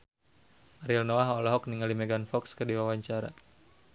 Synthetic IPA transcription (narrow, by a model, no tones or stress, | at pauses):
aɾilnoaɦɔlɔɦɔk̚niŋalimɛɡanfɔkskədiwawaɲt͡ʃaɾa̰